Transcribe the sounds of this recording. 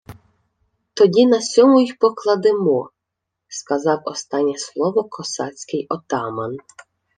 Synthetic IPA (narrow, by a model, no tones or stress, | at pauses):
t̪ɔdʲinɐsʲɔmʊjixpɔklˠɐd̪ɪmɔ | skɐzɑwɔ̰st̪ɑnʲːɛslˠɔʋɔkʰɔsɑt͡sʲkɪjɔt̪ɑmɐn